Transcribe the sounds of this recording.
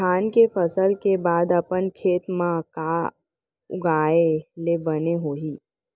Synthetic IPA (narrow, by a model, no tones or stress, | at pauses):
aːnkepʰəsəlkebaːd̪əpənkʰeːt̪mãkaː | ʊ̰ɡaːelebəneɦoːiː